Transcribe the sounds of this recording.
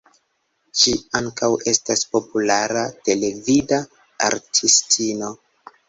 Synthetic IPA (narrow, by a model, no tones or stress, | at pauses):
ʃiaŋkawe̞staspo̞pulaɾate̞le̞vida | a̰ɾtʰistʰino̞